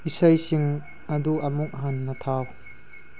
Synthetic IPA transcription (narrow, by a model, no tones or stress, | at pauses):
isɐjsiŋ | ɐd̪uɐmuk̚ɦanːɐt̪ʰaw